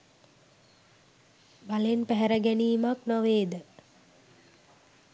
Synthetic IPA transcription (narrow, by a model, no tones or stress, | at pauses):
balenpæɦæɾəɡæniːmaknɔʋeːd̪ə